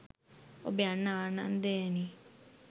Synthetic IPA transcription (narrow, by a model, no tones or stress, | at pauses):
o̰beanːaana̰nd̪eni